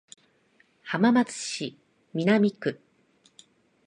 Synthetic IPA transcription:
hamamat͡sɨ̥ɕi | mʲinamʲikɯ̟

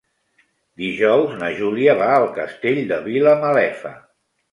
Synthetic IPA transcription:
d̪iʒɔwznəʒuliəβaəlˠkəst̪eʎd̪əβiləməlɛfə̰

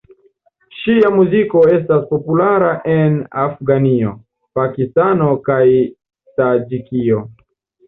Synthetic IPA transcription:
ʃiamuziko̞e̞s̬taspo̞pulaɾaʔena̰fɡanio | pakistanokaj | sad͡ʒikio

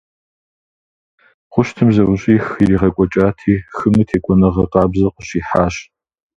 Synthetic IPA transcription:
χʷʊʃtʰɨmzɐwʷʊɕʼiːxiɾiːʁɐkʷʼɔt͡ʃʼaːtʰiːxɨmɨtʰeːkʷʼɔnɐʁɐqɑːbzɐqʷʼəɕiːħaːɕ

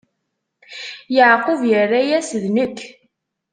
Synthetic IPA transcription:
jəʕqəvjərːæjæsðnəkʰː

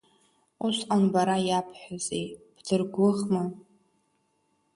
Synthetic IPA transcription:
usqanbaɾajapʰħʷᶣazejb̥dɨrɡʷʊʁma

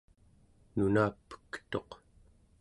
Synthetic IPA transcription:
nunaːpːə̥kt̪o̞q

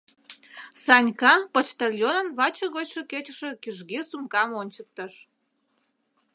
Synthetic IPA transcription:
sɑnʲkɑpot͡ɕt̪ɑlʲjonə̆nβɑt͡ɕəɣot͡ɕʃeket͡ɕəʃe̽kiʒɣesumkɑmonʲt͡ɕək̚t̪əʃ

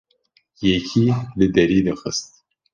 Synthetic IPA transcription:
jekʰilɨd̪ɐɾid̪əxə̰st̪

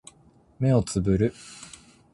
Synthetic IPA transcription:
me̞o̞t͡sɨbɯ̟ɾɯ̟

